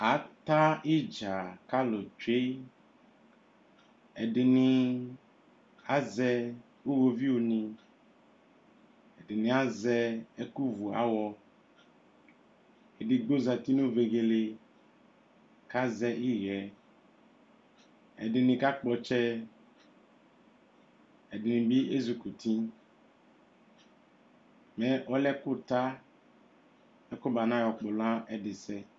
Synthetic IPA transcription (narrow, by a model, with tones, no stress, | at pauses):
a˨˦t̪a˦i˦d͡ʒa˨ka˦lo˨d͡ʒe˦ | ɛ˨ɖe˨nĩ˨ | a˦zɛ˦ | wo˦wo˦vi˦wo˨nĩ˨ | ɛ˨ɖe˨nĩ˨a˨zɛ˦ɛ˦ku˦vu˨a̰˦wɔ˦ | e˨ɖe˨ɡ͡bo˦za˨t̪i˦nõ˦ve˨ɣe˨le˨ | ka˦zɛ˦ʔi˦ɣɛ˨ | ɛ̰˨dɪ˨nɪ̃˨ka˦k͡pɔ˨t͡ʃɛ˦ | ɛ˨dɪ˨nɪ̃˨bi˦e˦zu˨ku˨tʰĩ˦ | mɛ˨ɔ˦lɛ˦kʊ˦ta˦ | ɛ˦kʊ˦ba˨nã˦jɔ˨k͡pʊ˨lã˦ɛ˦dɪ˨sɛ˦